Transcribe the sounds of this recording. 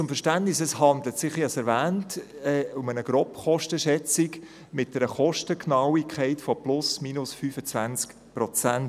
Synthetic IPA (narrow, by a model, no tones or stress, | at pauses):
t͡sʊmfɛʃtæntnɪsɛshɑnd̪lətsɪχɑsɛɾvæːntɛʊmənəɡ̥ɾɔpχɔʃtəʃɛt͡sɪk | mɪt̚d̥ɛɾəχɔʃtəknɑwikʰχɛɪtfɔplʊsmiːnʊsfyːfət͡svænt͡sk | pɾɔt͡sæn